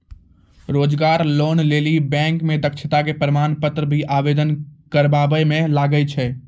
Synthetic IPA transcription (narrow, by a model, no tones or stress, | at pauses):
ɾoːd͡ʒɡaːɾloːnleːlibɛ̃ːŋkmẽd̪əkʃʰɪt̪akepəɾɪmaːnpət̪ɾəbʱiʔaːʋeːd̪ənkəɾbaːbəjmẽlaːɡəit͡ʃʰɛ